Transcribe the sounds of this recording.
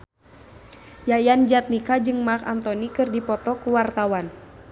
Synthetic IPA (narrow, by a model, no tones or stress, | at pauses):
jajand͡ʒat̪̚nikad͡ʒɨŋmaka̰nt̪ɔnikɨrdipɔt̪ɔkuwart̪awan